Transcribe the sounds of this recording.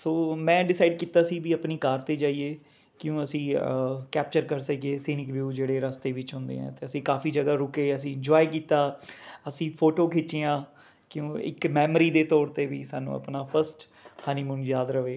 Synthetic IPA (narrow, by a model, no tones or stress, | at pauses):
soːmɛ̃ːɖɪsaːɪɖkiːt̪aːsiːbiːəpniːkaːɾt̪eːd͡ʒaːieː | kɪjõːəsĩːkɛːp̚t͡ʃəɾkəɾsəkeːsiːnɪkʋjuːd͡ʒeːɽeːɾəst̪eːʋɪt͡ʃɦʊ̃nd̪ḛːɛ̰̃ːt̪eːəsĩːkaːfʰiːd͡ʒəɡaːɾʊkeːəs̬ĩːɪnd͡ʒaːik̬iːt̪aːəsĩːpʰoːʈoːkʰɪt͡ʃeːãː | kɪjõːɪ̰kmɛːmɾiːd̪eːt̪ɔːɾt̪eːʋḭːsaːnːṵ̃ːə̰pnaːpʰəɾsʈ | haːniːmʊnjaːd̪ɾəʋeː